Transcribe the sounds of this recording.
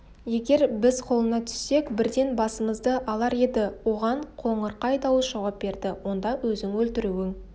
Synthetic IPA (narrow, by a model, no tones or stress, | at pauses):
je̞ɡʲe̞ɾbɪzqʰo̞lˠənɑt̪ʰʏ̥sːe̞kbɪɾd̪e̞nbɑsəməzd̪əʔɑlˠɑɾe̞d̪ɪwo̞ʁɑɴqʰo̞ɴəɾqɑjd̪ɑwəsʒ̥ɑwɑp̚be̞ɾd̪ɪwo̞nd̪ɑwɵzɪŋwɵlt̪ɪɾuwɪŋ